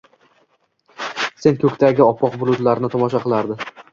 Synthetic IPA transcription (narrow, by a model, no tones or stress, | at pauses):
se̞nkʰɵkʲt̪ʰaɡʲɪɒpʰːɒqbʊɾˠʊd̪laɾɪnɪt̪ʰɒmɒʃaqɨlˠaɾd̪ɪ